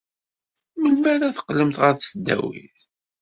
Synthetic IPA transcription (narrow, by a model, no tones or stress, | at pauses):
mənmæɾæθə̥qːləmθʁəɾsəd̪ːæ̰wḭθ